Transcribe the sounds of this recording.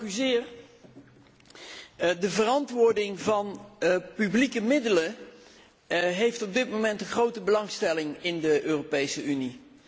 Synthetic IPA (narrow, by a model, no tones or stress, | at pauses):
kyzɪːr | dəvərɑntʋʊːɹdɪŋvɑnpyblikəmɪdələ | ɦejftɔb̚dɪtmowmɛntənχrowtəbəlɑŋstɛlɪŋɪndəʔøːropejsəyni